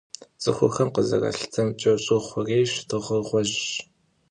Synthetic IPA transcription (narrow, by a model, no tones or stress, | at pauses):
t͡sʼɨxʷʊxɐmqəzɐ̰rɐ̰ɬtʰɐmt͡ʃʼɐɕʼɪχʷʊreːɕtʰɨʁəʁʷɔʑɕ